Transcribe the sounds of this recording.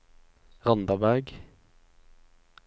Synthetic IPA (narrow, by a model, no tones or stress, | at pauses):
ʁɑnd̪ɑbæʁɡ